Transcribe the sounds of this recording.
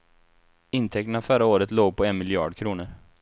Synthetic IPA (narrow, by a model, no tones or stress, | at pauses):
ɪnt̪ʰɛk̚t̪əɳafœɾaoːɾət̪loːɡ̚pʰɔɛnmɪljɑ̰ːɖkʰɾuːnəɾ